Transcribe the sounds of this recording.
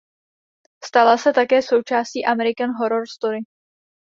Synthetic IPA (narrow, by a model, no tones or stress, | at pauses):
st̪alasɛt̪akɛːso̞wt͡ʃaːsciːʔamɛɾɪkanɦo̞ɾo̞ɾst̪oɾɪ